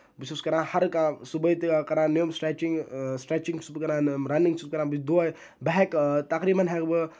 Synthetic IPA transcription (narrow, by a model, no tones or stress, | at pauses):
bisuskɐɾãːhɐɾkasubət̪ikɐɾãːnijomsʈɾeːt͡ʃiŋɡsʈɾeːt͡ʃiŋt͡ʃubkɐɾãːɾɐniŋɡt͡ʃʰukɐɾãːbd̪o | bɐɦɛkt̪ɐkɾiːmɐnɦɛkbɨ